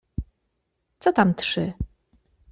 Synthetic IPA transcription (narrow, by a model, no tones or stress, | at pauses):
t̪sɔt̪amt̪ʂɘ